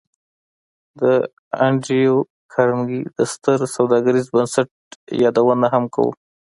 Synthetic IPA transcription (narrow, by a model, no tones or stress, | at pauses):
d̪ə | aɳɖijo | kʰaɾmɡid̪əst̪əɾsawd̪ɑɡaɾizbənsaʈ̚jɑd̪awənaɦamka̰wṵ